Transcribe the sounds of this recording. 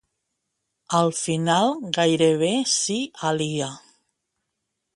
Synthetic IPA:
alfinalˠɡajɾeβ̞esialia

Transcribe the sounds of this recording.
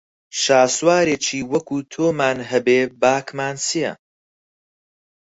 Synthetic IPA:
ʃaːswaːɾeːt͡ʃʰiːwɐkʰuːt̪ʰoːmaːnɦɐbeːbaːkmaːnsijɐ̰

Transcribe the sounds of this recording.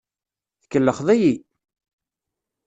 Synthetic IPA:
θəkːəlːəχðæji

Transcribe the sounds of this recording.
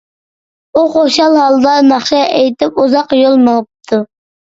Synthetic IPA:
uqoʃɑlˠhɑlˠd̪ɑnɑχʃɑejt̪ɪpuzɑqjolˠməəp̚t̪ʰu

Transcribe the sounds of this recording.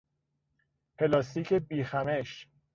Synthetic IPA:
pʰelɒːst̪iːkʰebiːxæmeʃ

